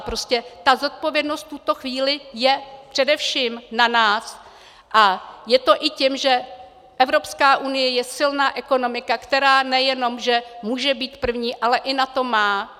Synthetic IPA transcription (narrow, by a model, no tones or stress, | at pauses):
pɾo̞scɛt̪azo̞t̪̚po̞vjɛdno̞st̪̚t̪ːut̪o̞xviːlɪjɛpr̥ɛdɛfʃiːmnanaːs | ʔajɛt̪o̞ʔɪcɪmʒɛ | ʔɛvɾo̞pskaːʔunɪjɛjɛsɪlnaːʔɛko̞no̞mɪkakt̪ɛɾaːnɛjɛno̞mʒɛmuːʒɛbiːt̪pr̩vɲiːʔalɛʔɪnat̪o̞maː